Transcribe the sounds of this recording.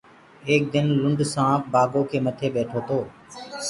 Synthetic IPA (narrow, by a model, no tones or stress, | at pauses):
eːk̚d̪ɪnlʊɳɖsãːkbaːɡoːkʰeːmət̪ʰeːɓeːʈʰoːt̪ʰoː